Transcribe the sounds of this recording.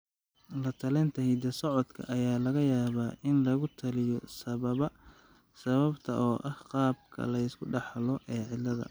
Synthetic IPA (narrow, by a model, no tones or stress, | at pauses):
lɐt̪ʰɐlɛnt̪ʰɐɦid̪ɐsɔʕɔd̪kʰɐ̰ʔɐjaːlɐɣɐjaːβaːʔɪnlɐɣʊt̪ʰɐlɪjɔsɐɐɐ | sɐβɐbt̪ʰɐʔɔːʔɐhqɑːb̚kʰɐ̰lɐɪskʰʊɖɑħlɔʔɛːʕɪlːɐðɐ̰